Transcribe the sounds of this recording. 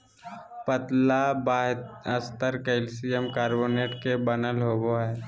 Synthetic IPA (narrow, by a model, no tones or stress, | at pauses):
pət̪labaːɦt̪əst̪əɾkəɪlsijemkaːɾboːneːʈkebənəlɦoːɡoɦɛː